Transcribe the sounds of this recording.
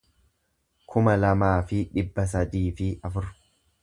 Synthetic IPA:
kʰʊmɐlɐmaːfɪᶑɪbːɐs̬ɐd̪iːfɪʔɐfʊɾ

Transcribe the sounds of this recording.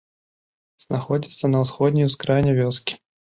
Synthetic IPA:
z̥naxɔd͡zʲit̪sːɐnɐwsxɔd̪̚ʲnʲijwskɾajnʲɛvʲɔskʲi̥

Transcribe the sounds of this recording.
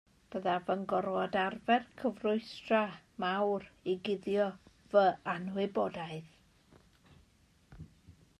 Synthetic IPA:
b̥əðavənɡɔrwɔdarvɛrkʰəvrʊɨstramawriɡɪðjɔ | vəanwɪbɔdaɨð

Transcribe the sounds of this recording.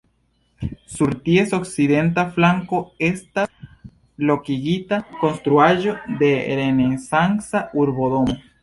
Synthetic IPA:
suɾt̪jesoksiðent̪aflaŋkoest̪a | lokiɣit̪akonst̪ɾuaʒod̪eɾenesaŋsauɾβoðomo

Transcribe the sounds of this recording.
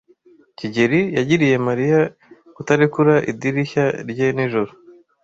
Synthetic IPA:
ciɟe̞ɾijaɟiɾije̞maɾija | kutaɾikuɾaʔḭdiɾiçaɾɟeniʒoɾo

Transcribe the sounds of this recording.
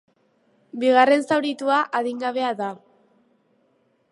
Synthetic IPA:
biɣ̞are̞nsawɾit̪uaʔaðiŋɡaβe̞aða

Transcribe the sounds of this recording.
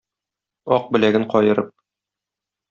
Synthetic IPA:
ɒq̚bɘ̆læɡɘɴqɒjɤ̆ɾɤp̚

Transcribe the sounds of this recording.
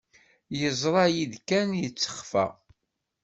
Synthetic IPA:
jəzˤɾˤɑjiðkænjət͡sːə̥χfæ̰

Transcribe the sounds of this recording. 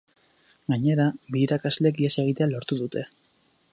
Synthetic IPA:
ɡaɲe̞ɾaβiːɾakazle̞k̬iese̞ɣ̞it̪ealo̞ɾt̪uðut̪e̞

